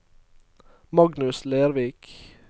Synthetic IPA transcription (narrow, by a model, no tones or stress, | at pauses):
mɑɡnʉsleːɾʋiːk